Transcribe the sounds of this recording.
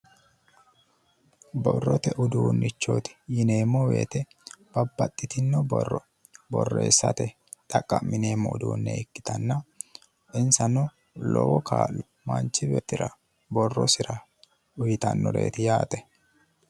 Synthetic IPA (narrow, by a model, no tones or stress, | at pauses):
bɔrːɔt̪ɛʔʊd̪uːnːɪt͡ʃːoːt̪ɪ̥jɪneːmːɔwḛːt̪ɛ | b̥ɐbːɐt̪ʼːɪt̪ɪnːɔbɔrːɔ | bɔrːeːsːɐ̰t̪ɛ | t̪ʼɐkʼːɐmːɪne̞ːmːɔʊd̪uːnːɛ̰ɪkːɪ̥t̪ɐnːɐ | ʔɪnsɐnʊ | lɔwɔkʰa̰ːl | mɐnt͡ʃːɪbɛt̪ːɪɾɐ | bɔrːɔsɪɾɐ | ʊjɪt̪ɐ̰nːɔɾe̞̰ːt̪ɪjaːt̪ʼɛ̥